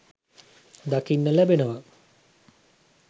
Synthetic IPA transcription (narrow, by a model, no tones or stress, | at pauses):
d̪akinːəlæbenəʋa